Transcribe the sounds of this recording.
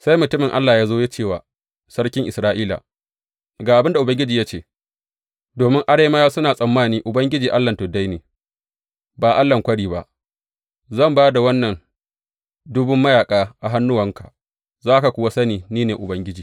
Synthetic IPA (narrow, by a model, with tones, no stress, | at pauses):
sa˦jmʊ˨tʊ˦mɪ˨ŋʔa˦lːaː˨jaː˦zoː˦je˦t͡ʃeː˦˨wa̰ː˨ | sɐ˦ɽkʲɪ˦ŋʔɪ˨sɾaː˦ʔiː˦la̰ː˨ | ɡaː˨ʔa˨bɪ˦nda˨ʔʊ˨bɐ˦ŋɡʲɪ˦d͡ʒiː˨jaː˦t͡ʃeː˦˨ | doː˨mɪ˦ŋʔa˦ɽeː˦ma˦jaː˦sʊ˦naː˨sʼɐ˨mːaː˦niː˦ʔʊ˨bɐ˦ŋɡʲɪ˦d͡ʒiː˨ʔa˦lːɐ˨ntʊ˨da˦jneː˨ | baː˨ʔa˦lːɐ˨ŋkʷɐ˦ɽiː˨ba̰˦ʔ | zɐ˦˨mbaː˦da˨wɐ˦nːɐ˨n | dʊ˦bʊ˦mːɐ˦jaː˨kʼaː˦ʔa˨ɦa˦nːʊ˦wɐ˨ŋka̰˨ | zaː˦ka˨kʷʊ˦wa˦sɐ˦niː˨niː˦neː˨ʔʊ˨bɐ˦ŋɡʲɪ˦d͡ʒiː˨